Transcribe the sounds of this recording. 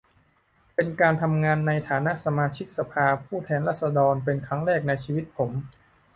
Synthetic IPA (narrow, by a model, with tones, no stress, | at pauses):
pe˧nkaː˧nt̪ʰa˧mŋaː˧nːa˧jt̪ʰaː˩˦na˦˥ʔsa˧maː˧t͡ɕʰi˦˥k̚sa˧pʰaː˧pʰuː˥˩t̪ʰɛː˧nɾaː˥˩t̪̚sa˧dɔː˧npe˧nkʰɾa˦˥ŋɾɛː˥˩k̚na˧jt͡ɕʰiː˧wi˦˥t̪̚pʰo˩˦m